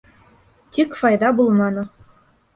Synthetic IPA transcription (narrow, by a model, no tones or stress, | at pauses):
t̪ʲikʲfɑjd̪ɑbulˠmɑnɤ̆